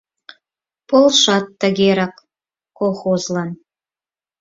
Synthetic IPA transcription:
polʃɑt̪ːəɣeɾɑk | kolxozlɑn

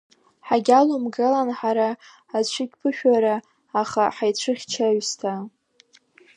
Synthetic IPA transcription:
ħaɡʲalomɡɨlanħaɾaː | t͡ɕʷʰɨɡʲpʰɨʃᶣaɾaː | χaħajt͡ɕʷʰɨχʲt͡ʃʰaɥstʰa

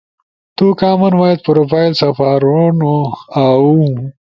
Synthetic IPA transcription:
t̪ukaːmɐnwajet̪̚pɾoːfaːjlsɐfaːɾonoau

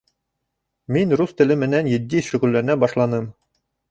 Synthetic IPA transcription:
minɾust̪ɘ̆lɘmɘ̆nænjɘ̆d̪ːiʃɵ̆ʁɘlːæɾɘ̆næbɑʃlˠɑnɤm

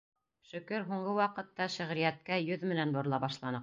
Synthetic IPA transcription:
ʃɵ̆kɵɾɦuɴɢɤwɑqɤ̆t̪ːɑʃɘ̆ʁɾijæt̪̚kæjɵðmɘ̆nænbŏɾlˠɑbɑʃlˠɑnɤq

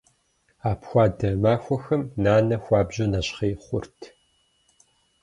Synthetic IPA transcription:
aːpxʷɑːdɐmaːxʷɔxɐmnaːnɐxʷɑːbʑɐnɐɕχeːχʷʊrtʰ

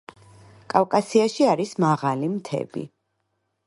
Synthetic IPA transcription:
kʼafkʼasiaʃiaɾismaʁalimt̪ʰɛ̰bḭ

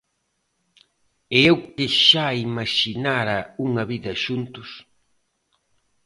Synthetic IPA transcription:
eewkɪʃaimaʃinaɾɐuŋɐβiðɐʃunt̪ʊs

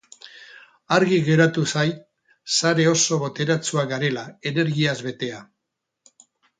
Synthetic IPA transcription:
aɾɣiɣe̞ɾat̪usaj | saɾe̞o̞so̞βo̞t̪e̞ɾat͡suaɡaɾe̞lae̞ne̞ɾɣiazβe̞t̪e̞a

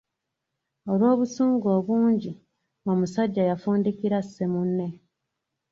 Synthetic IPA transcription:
o̞lwo̞ːβusuːŋɡo̞ːβuːɲɟi | omusaɟːajafuːndikiɾasːemunːe̞

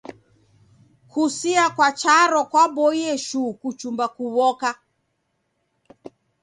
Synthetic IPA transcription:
kʰusiakwat͡ʃaɾɔkwaɓɔiɛʃukut͡ʃumbakuβɔka

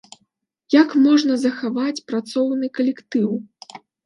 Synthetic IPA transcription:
jakmɔʐnɐzɐxavat͡sʲpɾat̪sɔwnɨkɐlʲɛkt̪ɨw

